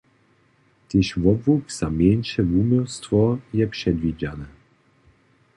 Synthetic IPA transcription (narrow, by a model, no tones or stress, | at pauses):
t̪ɪɕvɔbvukz̥amʲjɛnʃɛvumɔwst̪vɔjɛpʂɛd̪vʲid͡ʑanɛ